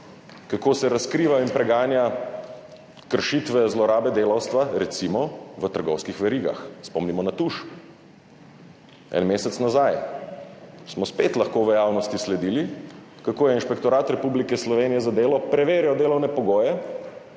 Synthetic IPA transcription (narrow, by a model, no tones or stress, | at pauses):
kakoːsɛɾaskɾiːʋainpɾɛɡaːnja | kəɾʃit̪ʋɛzlɔɾaːbɛd̪eːlawst̪ʋaɾɛt̪simɔʋət̪əɾɡɔwskixʋɛɾiɡa̰xspɔmnimɔnat̪uʃ | ɛ̰nmeːsɛt̪snazaj | smɔspet̪laxkoːʋəjaːwnɔst̪islɛd̪ili | kakoːjɛinʃpɛkt̪ɔɾaːt̪ɾɛpublikɛslɔʋeːnijɛzad̪eːlɔpɾɛʋeːɾjɔd̪eːlɐwnɛpɔɡoːjɛ